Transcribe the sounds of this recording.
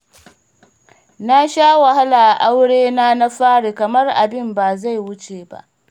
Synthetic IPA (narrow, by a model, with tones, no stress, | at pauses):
na˦ʃaː˦wa˨ɦa˦laː˨ʔa˨ʔa˦wɽeː˦naː˦na˦ɸaː˦ɽeː˨kɐ˨mɐ˦rʔa˨bɪ˦mbaː˨za˦˨jwʊ˦t͡ʃeː˨ba̰˦ʔ